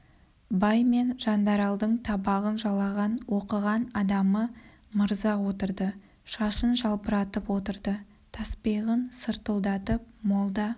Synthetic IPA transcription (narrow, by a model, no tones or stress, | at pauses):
bɑjme̞nʒ̥ɑnd̪ɑɾɑlˠd̪əɴt̪ʰɑbɑʁənʒɑlˠɑʁɑnwo̞qəʁɑnɑd̪ɑmə | məɾzɑwo̞t̪əɾd̪ə | ʃɑʃənʒɑlˠbəɾɑt̪əpwo̞t̪əɾd̪ə | t̪ʰɑspiʁənsəɾt̪əlˠd̪ɑt̪əp̚mo̞lˠd̪ɑ